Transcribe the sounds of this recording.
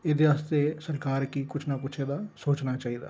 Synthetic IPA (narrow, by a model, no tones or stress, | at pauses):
ɪd̪eʋaːst̪esɐɾkaːɾkikʊt͡ʃʰnakʊt͡ʃʰed̪asoːt͡ʃnat͡ʃaːɦid̪a̰ː